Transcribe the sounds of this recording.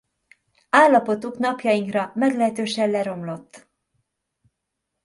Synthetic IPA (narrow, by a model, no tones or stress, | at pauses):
aːlːɒpo̞t̪uknɒpjɒjiŋkrɒmɛɡlɛɦɛt̪øːʃɛllɛɾo̞mlo̞t̪ː